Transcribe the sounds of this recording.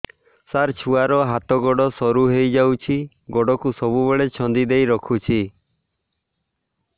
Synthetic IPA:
saɾt͡ʃʰuaɾɔɦat̪ɔɡɔɽɔsɔɾuɦejd͡ʒawt͡ʃʰi | ɡɔɽɔkusɔbubeɭet͡ʃʰɔnd̪id̪ejɾɔkʰut͡ʃʰi

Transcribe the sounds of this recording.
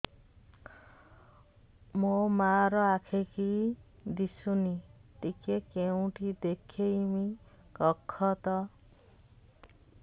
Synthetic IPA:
momaɾɔakʰekid̪isuniʈikekeũʈʰid̪ekʰejmi | kɔkʰːɔt̪ɔ

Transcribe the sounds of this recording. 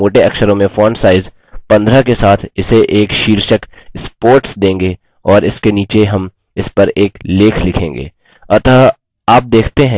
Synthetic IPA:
oːʈeɐkʃəɾõmẽfɔːnsaːɪz | pɐ̃nd̪ɾakesaːt̪ʰɪseʔeːkʃiːɾʃəkspoːɾʈsd̪ẽːŋɡe | ɔːɾɪskeniːt͡ʃeɦɐm | ɪspɐɾeːkleːkʰlɪkʰẽːŋɡḛː | ɐt̪aː | aːp̚d̪eːkʰt̪eɦɛ̃

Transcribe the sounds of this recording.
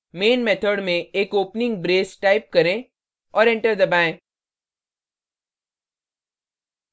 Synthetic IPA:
meːnmet̪ʰəɖmẽeːkoːpnɪ̃ŋɡ̚bɾeːsʈaːɪp̚kɐɾẽ | ɔːɾɛ̃ɳʈəɾd̪ɐbãːẽː

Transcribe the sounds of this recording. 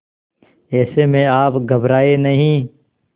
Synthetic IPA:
ɛːsemẽaːpɡʱɐbɾaːenɐɦĩ

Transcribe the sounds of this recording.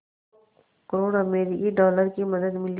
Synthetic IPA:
kɐɾoːɽameːɾiʔiɖɔːləɾkimɐd̪əd̪mɪl

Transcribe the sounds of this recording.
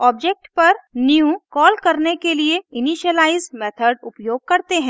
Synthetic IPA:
ɔːb̚d͡ʒeːk̚ʈpɐɾniũkɔːlkɐɾnekelieɪniːʃəlaːɪzmɛːt̪ʰəɖʊpjoːɡ̚kɐɾt̪eɦɛ̃ː

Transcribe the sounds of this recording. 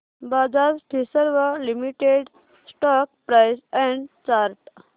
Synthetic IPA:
bad͡zazʈʰisəɾʋəlimiʈeɖ | sʈɔk̚pɾajsɛ̃ɳɖt͡ʃaɾʈ

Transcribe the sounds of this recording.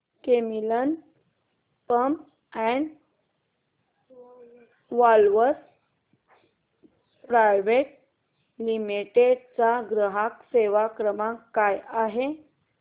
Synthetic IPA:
kemilən | pəmp | ɛɳ | ʋalʋəs | pɾajʋeʈ̚ | limiʈeɖt͡saɡɾəɦakseʋakɾəmãkajaɦe

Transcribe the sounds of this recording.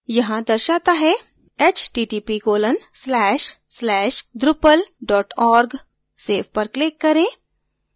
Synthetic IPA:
jɐɦãd̪ɐɾʃaːt̪aɦɛ | ɛt͡ʃʈiːʈiːpiɡoːlənslɛːʃ | slɛːʃɖ̪ɾʊpəlɖɔːʈɔːɾɡ | seːfʰpɐɾklɪkːɐɾẽː

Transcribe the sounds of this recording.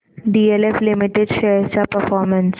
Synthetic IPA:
ɖiːeleflɪmɪʈeɖʃeːt͡ʃapəɾfɔːɾmə̃ns

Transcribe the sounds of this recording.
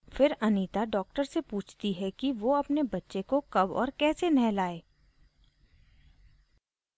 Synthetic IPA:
fɪɾɐniːt̪aɖɔːk̚ʈəɾsepuːt͡ʃʰt̪iɦɛkiʋoɐpnebɐtːʃekokɐbɔ̰ːɾkɛːsenɛɦlaːeː

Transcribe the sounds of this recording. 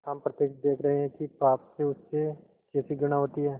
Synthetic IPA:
hɐmpɾɐt̪ːeːd̪eːkʰɾɐɦeɦɛ̃kipaːpseʊsːe | kɛːsiɡʊɽ̃aɦoːt̪iɦɛː

